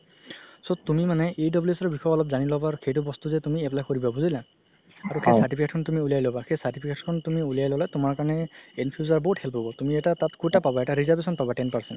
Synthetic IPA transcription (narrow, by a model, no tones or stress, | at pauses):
sotumimanɛʔejdɔbluesɔbixɔjɔɔlɔpzanilɔbaɹxejtubɔst̪uzɛtumiɛplajkɔɹibabuzɔjla | aɹuxejsaɹʈipʰiketkʰɔntumiuliajlɔbaxejsaɹʈipʰiketkʰɔntumiulijajlɔlatʊmaɹkaɹɔnɛenpʰjuzaɹbɔɦuthɛlpɦɔbɔtumiɛtatatkutapabɔɛtaɹizaɹbesɔnpabatɛnpaɹsɛnt